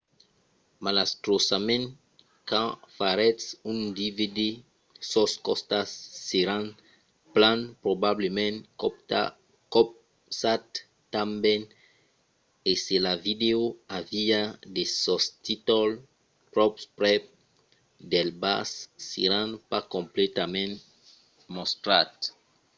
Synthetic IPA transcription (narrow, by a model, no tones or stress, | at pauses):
malast̪ɾosamẽnt | kãfaɾɛtsũnd̪ivid̪e | sɔskɔst̪asːeɾãn | plãnpɾobablemẽnkɔpta | kɔp̚ | sat̪ː | ãmbẽn | eselavideoaviad̪esɔst̪it̪ɔl | pɾɔpspɾɛ | d̪elba̰sːḛɾãnpakõmplɛt̪amẽn | most̪ɾat̪